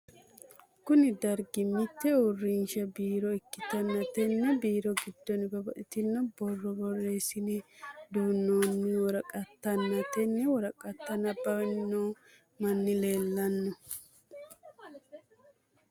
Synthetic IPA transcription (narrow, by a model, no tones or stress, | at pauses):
kʊnɪd̪ɐɾɡɪmɪt̪ːɛʊrːɪnʃɐbiːɾɔɪkːɪt̪ɐnːɐt̪ɛnːɛbiːɾɔɡɪd̪ːɔnbɐbɐʔɪt̪ɪnːɔbɔrːɔbɔreːsɪnɛd̪uːnːoːnːɪwɔɾɐkʼɐt̪ːɐnːɐt̪ɛnːɛwɔɾɐkʼɐt̪ːɐnːɐbɐwɛnːoː | mɐnːɪle̞ːlːɐnːɔ